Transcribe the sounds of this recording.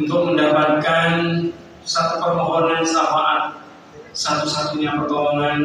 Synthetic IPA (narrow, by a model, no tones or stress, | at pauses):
unt̪ʊk̚məndapat̪̚kan | sat̪upərmɔɦɔnansamaʔat̪̚ | sat̪usat̪uɲapərt̪ɔɔŋan